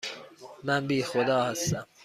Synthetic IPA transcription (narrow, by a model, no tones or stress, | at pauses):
mænbiːxod̪ɒːhæst̪æm